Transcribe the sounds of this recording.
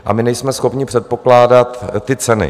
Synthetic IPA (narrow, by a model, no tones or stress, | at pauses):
ʔa̰mɪnɛjsmɛsxo̞pɲɪpr̥ɛt̪̚po̞klaːdat̪ːɪt͡sɛnɪ̰